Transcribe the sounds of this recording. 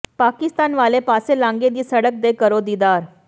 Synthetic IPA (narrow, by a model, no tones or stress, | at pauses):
pakist̪anʋalepaselãŋɡed̪iːsəɽək̚d̪ekəɾod̪id̪aɾ